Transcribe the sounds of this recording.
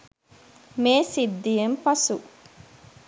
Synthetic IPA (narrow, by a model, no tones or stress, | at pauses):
meːsid̪ːijempɐsu